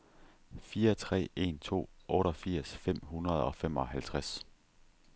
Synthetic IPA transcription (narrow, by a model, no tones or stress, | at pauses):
fiːɐt͡sʰʁɛ̰ːe̝̰nt͡sʰo̝̰ːʔɔ̽ːɾɐfiɐ̰sfem̰ɦunɐð̞̩ˠɒ̽fem̰ɒ̽hælt͡sʰʁas